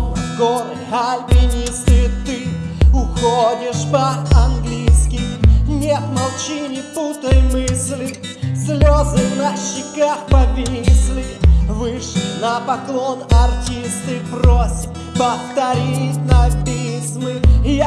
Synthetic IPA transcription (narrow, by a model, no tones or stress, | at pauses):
ɡoɾ | xalʲbʲɪnʲist̪ɨt̪ɨʊxodʲɪʂpəɐnɡlʲijskʲɪjnʲet̪mɐlˠt͡ɕinʲɪput̪əjmɨsʲlʲɪ | sʲlʲozɨvnɐɕːɪkaxpɐpʲisʲlʲɪvɨʂlʲɪnɐpɐklˠo̞nɐrtʲist̪ɨprosʲət | pəft̪ɐɾʲitʲnɐpʲisʲmɨj